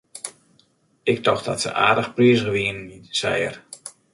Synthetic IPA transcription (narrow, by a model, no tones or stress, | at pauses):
ʔɪk̚tɔxtdɔ̰tsə̰ʔa̰ːdəxpriəsɣəʋiənisɛjə̰r